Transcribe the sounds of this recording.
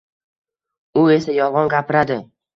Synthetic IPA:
ʊe̞sajɒvʁɒnɡʲapɪɾad̪ɪ

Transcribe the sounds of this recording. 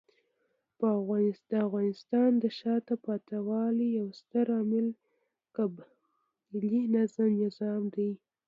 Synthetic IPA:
pəafɣɑnɪd̪̥əafɣɑnɪst̪ɑnd̪əʃɑt̪apɑt̪awɑlijawst̪əɾɑmɪl | kab | linazamnɪzɑmd̪aj

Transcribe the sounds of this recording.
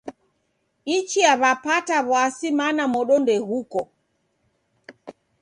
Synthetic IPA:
it͡ʃiaβapataβwasimanamɔɗɔndɛhukɔ

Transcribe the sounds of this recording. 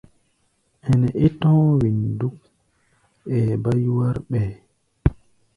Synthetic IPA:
ʔɛnɛʔɛtɔ̃ːwinduk | ɛbajwaɾɓɛ

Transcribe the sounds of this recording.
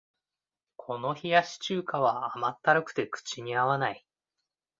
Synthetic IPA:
kʰo̞no̞çijaɕi̥t͡ɕɨːkaβ̞aamat̪ːaɾɯ̟kɯ̟̥t̪e̞kɯ̟̥t͡ɕiɲ̟iaβanai

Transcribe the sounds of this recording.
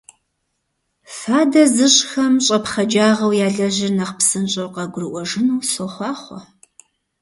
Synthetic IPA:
faːdɐzɨɕʼxɐmɕʼɐpχɐd͡ʒaːʁɐwjaːɮɐʑɪrnɐχpsɨnt͡ʃʼɐwqɐɡʷʊrɨʔʷɔʐɨnuːsoχʷɑːχʷɔ̰

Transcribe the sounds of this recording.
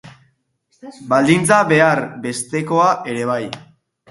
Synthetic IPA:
bald̪int͡saβe̞aɾbe̞st̪e̞ko̞aʔe̞ɾe̞β̞aj

